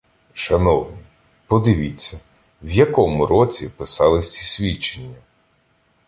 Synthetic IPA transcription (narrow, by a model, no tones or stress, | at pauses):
ʃɐnɔwnʲi | pɔd̪ɪʋʲit͡sʲːɐ | wjɐkɔmʊɾɔt͡sʲipɪsɑlˠɪsʲt͡sʲisʲʋʲit͡ʃenʲːɐ